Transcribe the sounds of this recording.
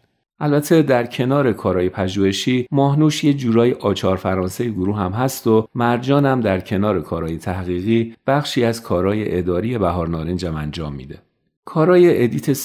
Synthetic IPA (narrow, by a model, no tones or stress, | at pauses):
ʔælbæt̪ʰe̞d̪æɾcʰe̞nɒːɾe̞kʰɒːɾɒːje̞pʰæʒuːhe̞ʃiːmɒːɦnuːʃjed͡ʒuːɾɒːjeʔɒːt͡ʃʰɒːɾfæɾɒːnsejeɡoɾuːɦæmɦæst̪o̞mæɾd͡ʒɒːnæmd̪æɾcʰe̞nɒːɾe̞kʰɒːɾɒːje̞t̪ʰæhɣiːɣiːb̥æχʃiːæzkʰɒːɾɒːje̞ʔed̪ɒːɾije̞bæɦɒːɾnɒːɾend͡ʒæmænd͡ʒɒːmːḭːd̪e̞̰ | kʰɒːɾɒːje̞ʔed̪iːt̪ʰe